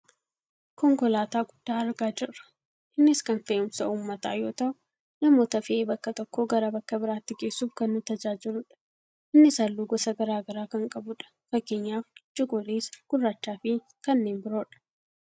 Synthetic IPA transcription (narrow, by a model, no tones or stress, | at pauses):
kɔŋɡɔlaːt̪aːɡʊd̥ːaːɐɾɡaːd͡ʒɪrːɐ̥ | ʔɪnːɪskɐnfeʔʊmsɐʔuːmːɐt̪a̰ːjo̞ːt̪ɐʔʊ | nɐmoːt̪ɐfɪeːbɐkːɐt̪ɔkːoːɡɐɾɐbɐkːɐbɪɾaːt̪ːɪɡe̞ːsːuːfkɐnːʊt̪ɐd͡ʒaːd͡ʒɪlʊᶑɐ̥ | ʔɪnːɪsɐlːuːɡɔsɐɡɐɾaːɡɐɾaːkɐŋkʼɐbʊᶑɐ̥ | fɐkːeːɲːaːft͡ʃʼɪɡɔleːsɡ̥ʊrːat͡ʃːaːfɪ | kɐnːeːnbɪɾo̞ːᶑɐ̥